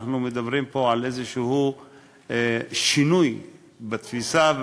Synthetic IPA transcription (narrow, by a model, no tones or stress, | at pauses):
numed̪abɾimpo̞ʕalʔezeʃehu | ʃinuj | bat̪fisav